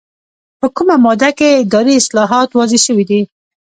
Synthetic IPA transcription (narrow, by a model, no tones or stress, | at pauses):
pəkumamɑd̪aked̪ɑɾiɪslɑɦɑt̪wɑzeʃəwid̪i